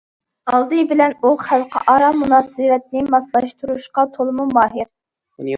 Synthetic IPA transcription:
ɑlˠd̪ɨbɪlɛnuχælˠqʰə̰ʔɑɾɑmunɑːsɨɾɛt̪̚nɪmɑslˠɑʃt̪ʰuɾuʃqɑt̪ʰolˠɨmumɑːɦɪɾ

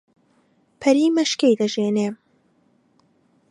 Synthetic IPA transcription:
pʰɐɾiːmɐʃkejd̪ɐʒeːneː

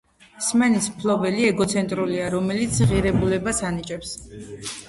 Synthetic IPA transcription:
smɛnismpʰlɔbɛliɛɡɔt̪sʰɛnt̪ʼɾuliaɾɔmɛlit̪sʰʁiɾɛbulɛbasanit͡ʃʼɛps

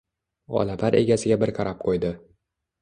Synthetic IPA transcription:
ɒ̰lapʰaɾe̞ɡʲasɪɡʲabɪɾqʰɑɾʔap̚qʰojd̪ɪ

